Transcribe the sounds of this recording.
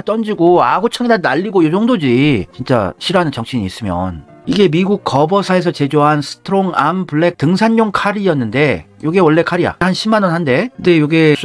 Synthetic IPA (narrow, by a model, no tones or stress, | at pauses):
t͈ʌnd͡ʑiɡoaɡut͡ɕʰʌŋidanaʎːiɡojod͡ʑoŋdod͡ʑit͡ɕint͡ɕ͈a̰ɕʰiɾɦanɯnt͡ɕʌŋɕʰiɲiːs͈ɯmjʌ̰n | iɡe̞miɡuk̚k͈ʌbʌsʰaes̬ʰʌt͡ɕe̞d͡ʑoɦansʰɯ̥tʰɯɾoŋa̰mpuɭːe̞k̚tɯŋsʰanːoŋkʰaɾijʌnːɯnde̞joɡewʌɭːe̞kʰaɾia̰hanɕʰimːanʌnɦhande̞de̞joɡe